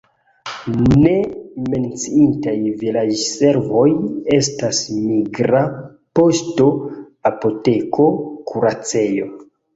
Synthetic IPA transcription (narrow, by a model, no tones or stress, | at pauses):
ne̞me̞nt͡siintajvilad͡ʒse̞ɾvo̞je̞stasmiɡɾa | po̞sto̞ | apo̞te̞kʰo̞kʰuɾat͡se̞jo̞